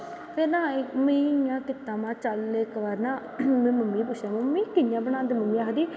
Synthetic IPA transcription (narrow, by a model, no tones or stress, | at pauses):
pʰeɾnãːmẽːjãːkɪt̪ːãːmãːt͡ʃəlekːʋaːɾnãː | mɛ̃ːməmːĩːpʊt͡ʃʃʰjãːməmːĩːkɪnjãːbənãːnd̪eməmːĩːaːɦd̪iː